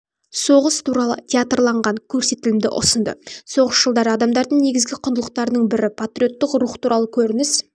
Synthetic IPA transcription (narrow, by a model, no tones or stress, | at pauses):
so̞ʁəst̪ʰuɾɑlˠə̰t̪ʲʰeat̪rlˠɑɴʁɑŋkʲʰɵɾse̞t̪ɪlɪmd̪ɪ̰ʔʊ̰sənd̪ə̰so̞ʁəsʒ̥əlˠd̪ɑɾəɑd̪ɑmd̪ɑɾd̪əɴne̞ɡʲɪzɡʲɪqʰʊnd̪əlˠəq̚t̪ɑɾənəɴbɪɾɪpʰat̪ɾʲio̞t̪ːɪqɾuχt̪uɾʔɑlˠəkʲʰɵɾɪnɪs